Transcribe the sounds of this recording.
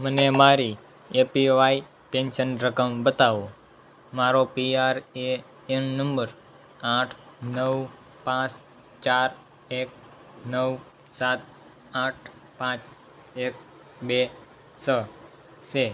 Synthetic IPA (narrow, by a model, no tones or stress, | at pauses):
mənemaɾi | epiʋai | pẽnʃənɾəkəmbət̪aʋo | maɾopiaɾe | ennəmbəɾ | aʈʰnəw | pãt͡ʃ | t͡ʃaɾ | ek̚ | nəw | sat̪̚ | aʈʰpãt͡ʃ | ek̚ | be | sə | se